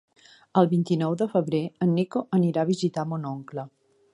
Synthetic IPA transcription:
əlˠβint̪inɔwðəfəβɾeənːikoʔəniɾaβ̞izit̪amonoŋklə

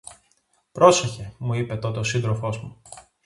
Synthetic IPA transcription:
pɾo̞se̞çe̞muipe̞t̪o̞t̪eosind̪ɾo̞fo̞zmu

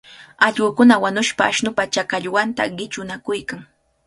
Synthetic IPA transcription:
ɑʎɢʊkʊnawanʊʃpaːʃnʊpat͡ʃakaʎwant̪a̰ɢɪt͡ʃʊnakʊjkaŋ

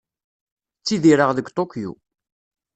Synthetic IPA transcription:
t͡sːiðiɾəʁðəɡt̪ˤokːjṵ

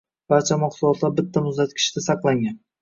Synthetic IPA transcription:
b̥aɾt͡ʃʰamaqsʊlˠɒt̪ʰlaɾbɪt̪ʰːamʊzd̪at̪̚kʲʰɪ̥ʃɪd̪asɑqlˠaŋɡʲan

